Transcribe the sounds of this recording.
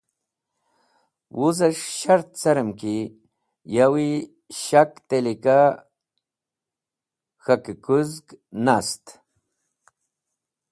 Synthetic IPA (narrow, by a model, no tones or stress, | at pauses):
wʔuzaʂʃaɾt̪̚t͡saɾəmki | jawi | ɕakt̪elika | xakɨkuzknast̪